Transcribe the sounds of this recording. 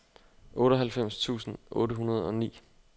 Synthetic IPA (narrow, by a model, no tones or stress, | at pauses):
ʔɔ̽ːɾəɦælfem̰st͡sʰṵːsn̩ʔɔ̽ːɾəɦunɐð̞ˠɒ̽nḭː